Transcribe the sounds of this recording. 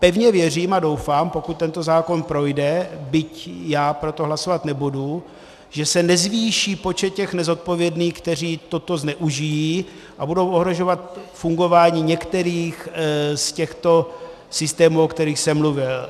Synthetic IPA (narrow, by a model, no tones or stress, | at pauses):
pɛvɲɛvjɛr̝iːmadowfaːmpo̞kut̪̚ːɛnt̪o̞zaːko̞npɾo̞jdɛbɪcjaːpɾo̞t̪o̞ɦlaso̞vat̪nɛbudu | ʒɛsɛnɛzviːʃiːpo̞t͡ʃɛt̪̚cɛxnɛzo̞t̪̚po̞vjɛdniːxkt̪ɛr̝iːt̪o̞t̪o̞znɛʔuʒɪjiː | ʔabudo̞wʔoɦɾo̞ʒo̞vat̪fuŋɡo̞vaːɲiːɲɛkt̪ɛɾiːxscɛxt̪o̞ | sɪst̪ɛːmuːokt̪ɛɾiːxsɛmːluvɪl